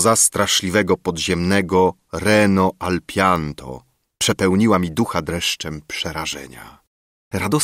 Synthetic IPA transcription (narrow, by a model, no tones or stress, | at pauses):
zast̪ɾaʂlʲivɛɡɔpɔd̪ʑɛmnɛɡɔ | ɾɛnɔʔalpʲjant̪ʰɔ̰ | pʂɛpɛwɲiwamʲid̪uxad̪ɾɛʂt͡ʂɛmpʂɛɾaʐɛ̰ɲa̰ | ɾad̪ɔ